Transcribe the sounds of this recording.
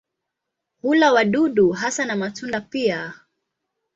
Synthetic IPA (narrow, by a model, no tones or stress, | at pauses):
hulawaɗuɗuɦasanamatundapia